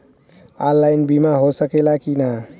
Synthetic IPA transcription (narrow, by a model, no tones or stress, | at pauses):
alːajnbimaɦosəkelakina